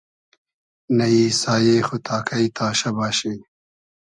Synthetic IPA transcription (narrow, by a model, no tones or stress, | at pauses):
nɐiːsaːjeːxut̪ʰaːkʰɐit̪ʰaːɕɐbaːɕi